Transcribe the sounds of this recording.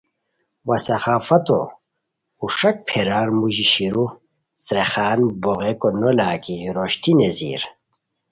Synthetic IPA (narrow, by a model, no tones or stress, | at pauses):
wɐsɐxaːfɐt̪o̰ | uʂɐk̚pʰeɾaːɾmuʑiɕiɾu | sɾexaːnboɣekonolaːkiɾoɕt̪inezḭːɾ